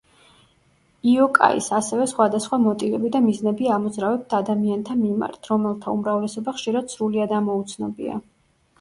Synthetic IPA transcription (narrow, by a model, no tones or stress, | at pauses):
iɔkʼa̰ḭsasɛvɛsχwad̪asχwamɔt̪ʼivɛbid̪amiznɛbiamɔd̪zɾavɛp̚t̪ʰad̪amiant̪ʰamima̰ɾt̪ʰɾɔmɛlˠt̪ʰaumɾavlɛsɔbaχʃiɾad̪̥sɾuliad̪amɔut̪sʰnɔbia̰